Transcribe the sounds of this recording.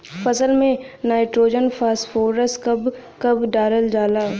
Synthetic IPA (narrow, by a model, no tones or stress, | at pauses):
fɐsəlmẽ | naːɪʈɾoːd͡ʒənfʰaːsʈfoːɾəskɐb | kɐbɖaːɾəld͡ʒaːlaː